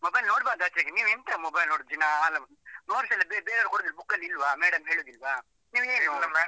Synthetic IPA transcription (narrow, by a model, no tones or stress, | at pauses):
mobɐjlnoːɽbaːɾd̪ɐːt͡ʃeɡeniːʋent̪amobɐjlnoːɽud̪̚d͡ʒinaːlːɐmɐ | noːɾsɐlːɐbebeːɾaːɾukoɽːd̪ilbukːɐlːilʋameːɽɐmɦeːɭuːd̪ilʋa | niːʋeːno